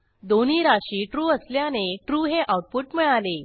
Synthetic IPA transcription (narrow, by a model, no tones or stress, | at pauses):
d̪oniːɾaɕiːʈɾuːəsljaneʈɾuːɦeʔawʈ̚puːʈmiɭale